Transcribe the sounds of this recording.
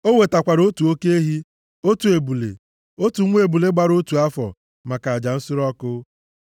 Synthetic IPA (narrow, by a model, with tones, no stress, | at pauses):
o˦ŋʷe˨ta˨kʷa˨ɾo˦tu˨o˦ke˦e˦ɦi˦ | o˦tu˨e˨bu˨lḛ˨ | o˦tu˨ŋʷ˦e˨bu˨le˦ɡ͡ba˦ɾo˦tu˨a˦fɔ̰˨ | ma˨ka˨a˨d͡ʒa˨n̩˦sʊ˦ɾɔ˦kʊ˦